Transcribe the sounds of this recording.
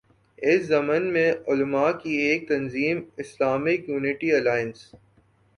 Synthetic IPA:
ɪszɐmənmẽʊlmakieːk̚t̪ɐnziːmɪslaːmɪkjuːnɪʈiɐlaːjɪə̃ns

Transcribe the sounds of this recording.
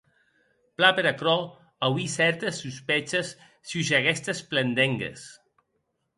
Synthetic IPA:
plapeɾakɾɔ | awisɛɾt̪esːuspet͡ʃesː | juʒaɣɛst̪esplend̪eŋɡḛs

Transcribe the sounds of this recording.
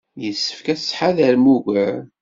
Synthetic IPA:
jəsːə̥fkæsħaðæɾmuʝʷəɾ

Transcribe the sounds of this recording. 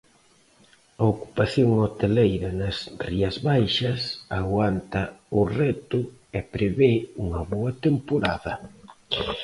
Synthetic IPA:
ɐoku̥paθjoŋot̪elejɾɐnɐsriɐzβajʃɐsaɣwant̪ɐʊrɛt̪ʊɛpɾeβeuŋɐβoɐt̪empoɾa̰ðɐ

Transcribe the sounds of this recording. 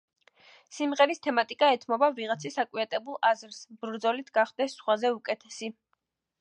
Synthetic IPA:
simʁɛɾist̪ʰɛmat̪ʼikʼaɛt̪ʰmɔbaviʁat̪sʰisakʼwiat̪ʼɛbulˠazɾsbɾd̪zɔlit̪ʰɡ̥aχd̪ɛsːχwazɛukʼɛt̪ʰɛ̥si

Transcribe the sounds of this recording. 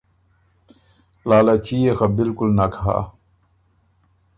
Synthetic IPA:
laːlat͡ɕʰijexabilkulnɐkʰɦa̰ː

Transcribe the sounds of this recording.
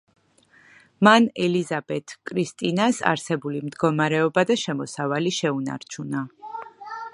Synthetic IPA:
manɛlizabɛt̪ʰkʼɾist̪ʼinasa̰ɾsɛbulimd̪ɡɔmaɾɛɔbad̪aʃɛmɔsavaliʃɛuna̰ɾt͡ʃʰuna

